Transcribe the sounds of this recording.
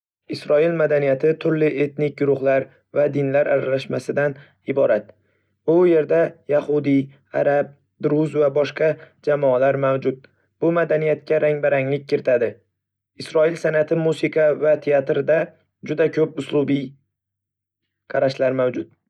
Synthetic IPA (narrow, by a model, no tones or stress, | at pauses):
ɪsɾɒɪlmad̪anijat̪ʰɪt̪ʰʊɾlɪʔe̞t̪nɪk̚ʲɡʊɾʊχlaɾ | vad̪ɪnlaɾa̰ɾalaʃmasɪd̪an | ɪbɒɾat̪̚ | ʊje̞ɾd̪ajahʊd̪i | a̰ɾap̚ | d̪ɾʊzvabɒʃqɑd͡ʒamɒalaɾmawd͡ʒʊd̪̚ | b̥ʊmad̪anijat̪̚kʲaɾʔaŋbaɾaŋlɪk̚ʲkʰːɪɾɪt̪ʰad̪ɪ | ɪsɾɒɪlsanat̪ʰɪmusɪqʰɑvat̪ʰeat̪ɾɪd̪a | d͡ʒʊd̪akʰɵpʊslˠʊbi | qʰɑɾaʃlaɾmawd͡ʒʊt̪̚